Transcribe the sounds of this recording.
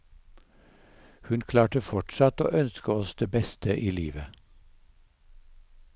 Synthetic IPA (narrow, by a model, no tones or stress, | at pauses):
hʉnkʰlɑːʈəfɔʈsɑt̪o̰ːʔœnskəɔsd̪̥eːbɛst̪ʰəʔiːliːʋə